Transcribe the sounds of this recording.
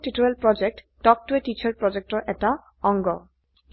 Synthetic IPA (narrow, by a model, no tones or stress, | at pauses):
tituɹɛlpɹɔd͡ʒɛk̚t | tɔk̚tuetit͡ʃʰaɹpɹɔd͡ʒɛk̚tɔɹʔɛta | ɔŋɡɔ